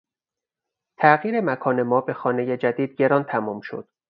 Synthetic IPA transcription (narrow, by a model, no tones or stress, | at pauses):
t̪ʰæɣiːɾemækʰɒːne̞mɒːbe̞xɒːne̞jed͡ʒæd̪iːd̪̥̚ɟe̞ɾɒːnt̪ʰæmɒːmʃo̰d̪̥